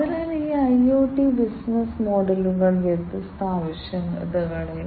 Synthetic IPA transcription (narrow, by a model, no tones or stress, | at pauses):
ɐðilaːliːɐjoːʈːibisnɐsmoːɖɐluɣɐɭet̪ːɨst̪ʰaːʋɐɕjɐmɐ̰d̪ɐɣɐɭe